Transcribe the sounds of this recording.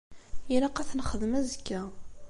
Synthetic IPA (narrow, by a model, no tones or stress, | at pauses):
jælæqɑθnχəðmæzəkːæ